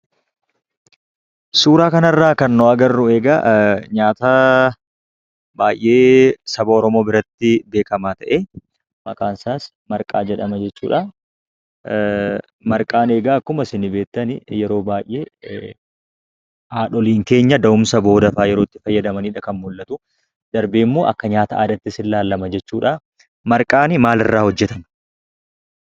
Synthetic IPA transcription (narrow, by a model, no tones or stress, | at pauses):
suːɾaːkɐnɐrːaːkɐnːɔɐɡɐrːʊe̞ːɡɐɲaːt̪ɐ | baːjʔʔe̞ːsɐbɐɔɾɔmo̞ːbɪɾɐt̪ːɪbe̞ːkɐmaːt̪ɐʔeː | mɐkʼaːnsaːs | mɐɾkʼa̰ːd͡ʒɛᶑɐmɐd͡ʒɛt͡ʃːṵːᶑa | mɐɾkʼaːneːɡaːkːʊmɐsɪnɪbe̞ːt̪ːɐnɪjɛɾo̞ːbaːjʔe̞ː | ʔaːᶑɔliːŋke̞ːɲːɐd̪ɐʊmsɐbo̞ːd̪ɐfaːjɛɾo̞ːt̪ːɪfɐjːɐd̪ɐmɐniːᶑɐkɐnmʊlːɐt̪ʊ | d̪̥ɐɾbeːmːoːʔɐ̰kːɐɲaːt̪ɐa̰ːd̪ɐt̪ːɪsɪlːaːlːɐmɐd͡ʒɛt͡ʃːuːᶑa | mɐɾkʼaːnɪmaːlɪ̰rːaːhɔd͡ʒːɛt̪ɐm